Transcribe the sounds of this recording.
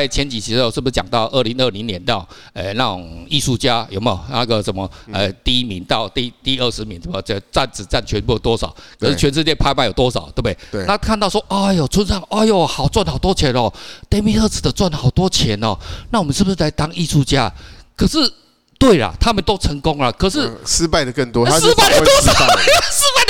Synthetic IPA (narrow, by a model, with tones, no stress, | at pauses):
ɪt͡ɕʰjɛ˧˥nt͡ɕi˨˩t͡ɕʰi˧˥˧ʂɻ̩˥˩bu˩ʂ̩˧t͡ɕja̰˨˩ŋt̪ɑ˥˧ʊʔə˥˩li˧˥ŋə˥˧˩li˧˥ŋnjɛ˧˦nt̪a˥˩˨ŋ | e˧˩na˥˩t͡sʊ̰˨˩ŋi˥˧ʂu˥˩t͡ɕja˦˥jo˨˩ʊme˧jo̰˨˩na˥˩ɡə˨ʂə˨˩nmə˦ə˨˩t̪i˥˩i˦˥mḭ˨˧˦nt̪ɑ˥˧ʊt̪i˥˧t̪i˥˧ə˥˧˩ʂɻ̩˧˦mi˨˦nsə˨˩mə˨˩˥t͡sa˥˧˩nt͡sɹ̩˨˩t͡sa˥˩nt͡ɕʰɥɛ˧˦npjo˨˩t̪wɔ˦˥sɑ˨˩˦ʊkʰə˨˩s̩˥˩t͡ɕʰɥɛ˧˦nʂ̬̩˥˧t͡ɕjɛ˥˧npʰa˥ɪma˥ɪjo˨˩t̪wɔ˥sɑ˨˩ʊt̪we˥˩e˥˩na˥˧kʰa˥˧nt̪ɑ˥˧ʊswɔ˥ʔa˥˧˩jo˨˩t͡sʰwə˥nsɑ˥˩ŋa˥˧jo˨˩hɑ˨˩ʊt͡swa˥˩nhɑ˨˩ʊt̪wɔ˥t͡ɕʰjɛ˨˧˥nɔ˥˨˩t̪ɛ˥mi˥ɤ˥˧t͡sɹ̩˨˩d̪ə˦t͡swa˥˩nhɑ˨˩ʊt̪wɔ˥t͡ɕʰjɛ˨˦nɔ̰˨˩na˥˩wɔ˨˩mə˨nʂ̩ɻ̩˥˩bu˩ʂ̬̩˥la˧˦ɪt̪a˥ŋi˥˧ʂu˥˧t͡ɕja˦˥kʰɤ˨˩ʂɻ̩˥˩ | t̪we˥˩ɪla̰˨˩t̪ʰa˥mə˨nt̪o˥ʊt͡sʰə˧˦ŋkʊ˥ŋla˨kʰɤ˨˩ʂɻ̩˥˨s̩˥pa˥˧ɪd̪ə˩kə˥˨nt̪wɔ˥s̩˥pa˥˩d̪ə˨t̪wɔ˥sɑ˨ʊ˩sɹ̩˥pa˥˩ɪ